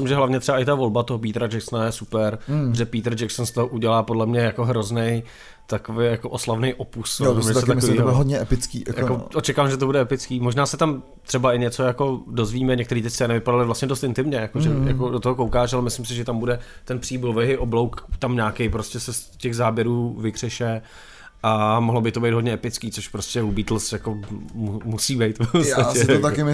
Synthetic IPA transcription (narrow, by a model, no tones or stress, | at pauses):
ɪmʒɛɦlavɲɛt̪rɛbaʔɪt̪avo̞lbat̪oɦopiːt̪ɾad͡ʒɛksnajɛsupɛɾʒɛpit̪ɾ̩d͡ʒɛksonst̪oɦoʔuɟɛlaːpodlɛmɲɛjako̞ɦɾo̞znɛj | t̪akovejjakoʔoslavnejʔopusoɛsɛamiɦodɲɛɛpɪt͡skḭːjʔakoʔot͡ʃɛkaːvamʒɛt̪̬obudɛʔɛpɪt͡skiːmoʒnaːsɛt̪am | t̪r̥ɛbaɪɲɛt͡sojako̞do̞zviːmɛɲɛk̚t̪ɛɾiːt̪ɛct͡sɛːnɪvɪpadalɪvlast̪ɲɛdost̪ɪnt̪ɪmɲɛjakoʒɛja̰kodot̪oɦokowkaːʃalɛmɪslɪmsɪʒɛt̪ambudɛt̪ɛnpr̥iːbulvɛɦɪʔoblowkt̪amɲaːkejpɾoscɛsɛs | cɛɣzaːbjɛɾuːvɪkr̥ɛʃɛ | ʔamoɦlobɪt̪obɛjd̪ɦo̞dɲɛɛpɪt͡skiːt͡soʃpɾoscʲɛlubiːt̪l̩sjakommusiːbɛjt̪fposacɛt̪akɪ